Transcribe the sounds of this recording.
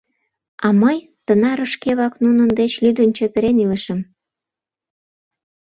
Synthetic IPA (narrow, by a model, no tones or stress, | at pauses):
ɑməj | t̪ənɑɾəʃkeβɑknunənd̪et͡ɕlyd̪ənt͡ɕøt̪əɾeniləʃəm